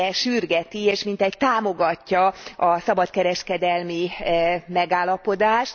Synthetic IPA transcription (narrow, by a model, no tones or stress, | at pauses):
ɛʃyrɡɛt̪ieːʃmint̪ɛct̪aːmo̞ɡɒcːɒɒsɒbɒt̪kɛɾɛʃkɛd̪ɛlmi | mɛɡaːlːɒpo̞d̪aːʃt̪